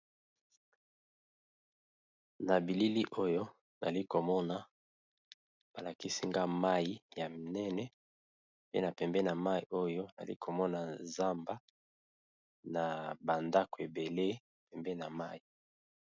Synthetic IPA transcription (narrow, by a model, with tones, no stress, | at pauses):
na˨bi˨li˦li˦ʔo˦jo˦ | na̰˨li˦ko˨mɔ˦na˨ | b̥a˨la˨ki˦si˦ŋɡa˦ma˦ji˦ja˨nɛ˦nɛ˦ | pe˦na˨pɛ˨mbɛ˦na˨ma˦i˨o˦jo˦na̰˨lḭ˦kʰo˨mɔ˦na˨za˦mba˦ | na˨ba˨nda˦ko˨e˨be˨le˦˨ | pɛ˨mbɛ˦na˨ma˦i˨